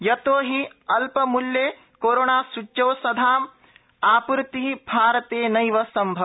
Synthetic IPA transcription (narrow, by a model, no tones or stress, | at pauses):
jɐt̪oːɦiɐlpɐmuljeː | koːɾoːɳaːsut͡ʃjɐwsɐd̪ʱaːm | aːpuɾt̪iɦibʱaːɾɐt̪eːnɐjʋɐsɐmbʱɐ